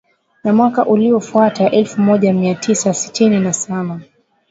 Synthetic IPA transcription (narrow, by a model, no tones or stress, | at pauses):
namwakaʔuliɔfuataʔɛlfumɔʄamiatʰisasi̥tʰininasaɓa